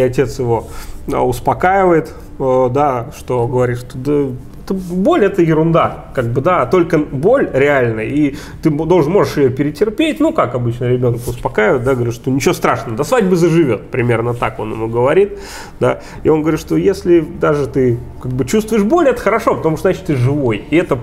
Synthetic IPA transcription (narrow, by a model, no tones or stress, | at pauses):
ɐtʲe̞t̪sjɪvo̞ə̰ʊspɐkajɪvəjɪt̪ | əd̪aʂt̪o̞ɡəvɐɾʲit̪ʂt̪od̪ə | ɛt̪əbo̞lʲɛt̪əjɪɾʊnd̪akaɡ̚bɨd̪at̪o̞lʲkəbo̞lʲɾʲɪalʲnəi | t̪ɨmd̪olˠʐnmo̞ʐɨʂɪjopʲɪɾʲɪtʲɪrpʲetʲnukakɐbɨt͡ɕnəɾʲɪbʲo̞nkʊspɐkaɪvəɪt̪d̪aɡəʋɐɾʲit̪ʂt̪onʲɪt͡ɕɪjost̪ɾaʂnəvəd̪asvadʲbɨzəʐɨvʲo̞̰t̪̚pɾʲɪmʲe̞rnət̪ako̞̰nɪ̰muɡəvɐɾʲit̪̚ | d̪a̰ | ḭonɡəvɐɾʲit̪ʂt̪o̞jesʲlʲɪd̪aʐɨt̪ɨkaɡ̚bɨt͡ɕust̪vʊɪʂbo̞lʲɛt̪əxəɾɐʂo̞pət̪ɐmuʂt̪zat͡ɕɪ̥t̪ɨʐɨvo̞jɪɛt̪ə